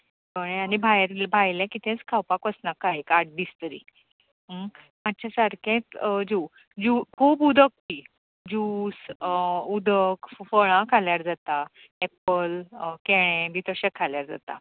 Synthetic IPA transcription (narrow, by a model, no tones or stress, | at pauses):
bəɽ̃ẽanibʱajɾbʱajljãkit̪ʰɛ̃t͡skʰawpakəsnakːaɦekaɾʈ̚d̪ist̪əɾḭː | ɦə | mat̪̚ːt͡ɕʰasaɾkʰẽt̪d͡ʑu | d͡ʑukʰuːbud̪ʱək̚pi | d͡ʑuːs | ud̪ʱəkfəɭ̃ãkʰaljaɾd͡zat̪a | ɛpəlkeɽ̃ẽbit̪əɕɛkʰːaljaɾd͡za̰t̪a̰